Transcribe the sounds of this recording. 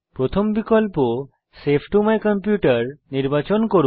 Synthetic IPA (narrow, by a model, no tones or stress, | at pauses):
pɾot̪ʰombikolpo | sepʰʈumajkɔmpjuʈaɾniɾbat͡ɕonkoɾu